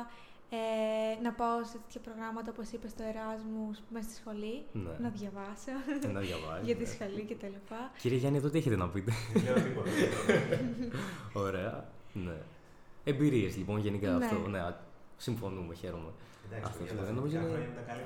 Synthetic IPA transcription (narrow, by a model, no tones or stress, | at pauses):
enɐpaoset̪e̞t̪çɐpɾo̞ɣɾɐmɐt̪ɐopo̞sipest̪oe̞ɾɐzmusmest̪isxo̞linenɐðʝɐvɐsɐnɐðʝɐvɐsʝɐt̪issxolicet̪ɐlipɐciɾieʝɐnieðot̪ieçet̪enɐpit̪e | oɾe̞ɐne̞ | embiɾie̞zlipo̞nʝe̞nikɐːnt̪oneɐsiɱfo̞numeçe̞ɾome̞ | ɐ̰ft̪osioeno̞mizo